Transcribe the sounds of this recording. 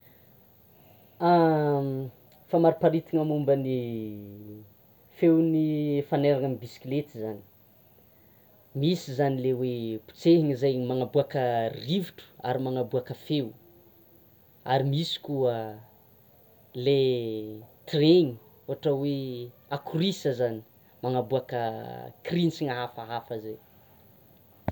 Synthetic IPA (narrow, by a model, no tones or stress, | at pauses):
a | famaɾipaɾit̪iŋamumbəni | fewnifaneɾaŋəmibisi̥kilet̪izani̥ | misizanilewepu̥t͡seɦiŋizajmaŋabuakəriviʈ͡ʂu̥a̰ɾimaŋabuakəfew | aɾimisi̥kuə | le | t̪reŋi | oaʈ͡ʂəwe | akurisəzani̥ | maŋabuakəkrinsiŋaɦafaɦafəzaj